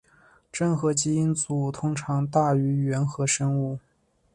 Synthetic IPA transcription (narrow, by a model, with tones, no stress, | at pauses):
ʈ͡ʂɤ˥˩ŋxɤ˧˥t͡ɕi˧˥i˥nt͡su˨˩t̪ʰʊ˥ŋʈ͡ʂʰɑ˧˥ŋt̪a˥˩y˧˥ɥɛ˧˥nxɤ˧˥ʂə˥ŋu˥˩